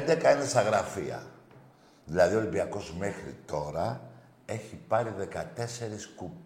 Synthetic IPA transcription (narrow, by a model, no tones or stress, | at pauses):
nd̪ekɐinesɐɣɾɐfḭɐ̰ | ðilɐðio̞limbiɐko̞zme̞xɾḭt̪o̞ɾɐ | e̞çipɐɾiðe̞kɐt̪e̞se̞ɾiskup